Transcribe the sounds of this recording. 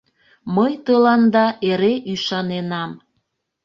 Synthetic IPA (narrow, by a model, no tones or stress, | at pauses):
məjt̪ɤlɑnd̪ɑʔeɾeʔyʃɑnenɑm